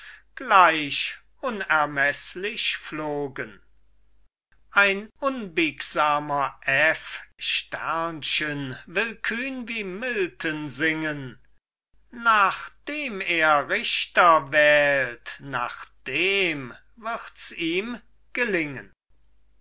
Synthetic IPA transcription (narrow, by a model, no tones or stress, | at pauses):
ɡ̥laɪʃ | ʔʊnɛɐmɛslɪʃfloːɡən | ʔaɪnʔʊnbɪkz̥aːmɐʔɛfʃtæ̰ɐnʃənvɪlkʰyːnviːmɪltʰənzɪŋən | naːχd̥eːmeːɐʁɪʃtɐvɛːltnaːχd̥eːm | vɪʁtsiːm | ɡ̥əlɪŋə̰̃n